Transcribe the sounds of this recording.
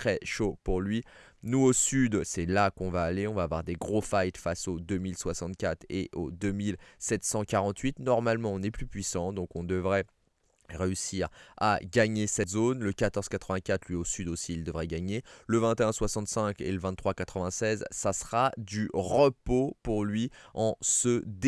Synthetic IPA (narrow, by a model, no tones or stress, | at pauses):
t̪χɛʃopuʁlɥi | nuosyd̪sɛlakɔ̃vaːleɔ̃vaːvwa̰ʁd̪eɡʁofajt̪fasod̪ømilswasɑ̃t̪̚kʲat̪χḛʔod̪ømilsɛt̪sɑ̃kaʁɑ̃t̪ɥit̪nɔʁmalmɑ̃ɔ̃nɛplypɥisɑ̃d̪ɔ̃kɔ̃d̪əvʁɛ | ʁeysiʁa̰ɡaɲesɛt̪zonləkat̪ɔʁz̥kat̪χəvɛ̃kʲat̪lɥiosyd̪osiːld̪əvʁɛɡaɲeləvɛ̃t̪eɛ̃swasɑ̃t̪sɛ̃kḛləvɛ̃t̪t̪ːχwakat̪χəvɛ̃sɛzsasχad̪yʁəpopuʁlɥiɑ̃səd̪